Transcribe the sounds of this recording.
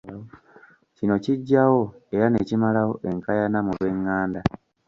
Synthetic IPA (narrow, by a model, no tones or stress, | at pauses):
cino̞ciɟːawo̞e̞ɾane̞ːcimalawo̞ʔe̞ŋkajanamulwe̞ŋːaːnda